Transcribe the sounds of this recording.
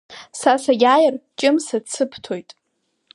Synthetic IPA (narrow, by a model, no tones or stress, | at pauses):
sasajʲajɪrt͡ʃʼɪmsat͡sʰɨpʰtʰojtʼ